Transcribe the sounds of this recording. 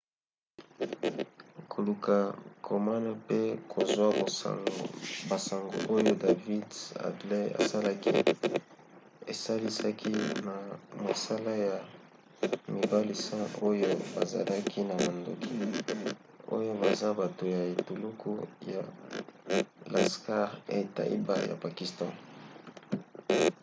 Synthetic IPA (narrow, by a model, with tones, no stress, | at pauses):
kʰo˨lu˨ka˨kʰo˨ma˦na˦pe˦kʰo˨zwa˦bo˨sa̰˨ŋɡo̰˨ba˨sa˨ŋɡo̰˨ʔo˦jo˦da˨vi˦da̰˨dle˦a̰˨sa˦la˦kḭ˦ | e˨sa˦li˦sa˦kʰi˦na˨ma˨sa˦la˦ja˨ | mi˨ba˦li˨sa˦o˦jo˦ba˨za̰˨lʔa˦kʰi˦na˨ma˨ndo̰˨kʰi˦ | o̰˦jo˦ba˨za˦ba˨to˨ja˨e˨tu˨lu˦kʰu˦ja̰˨ | la˨ska˦ʁja̰˨e˨ta̰˦ʔḭ˦ba̰˦ja̰˨pa˨ki˨stã˦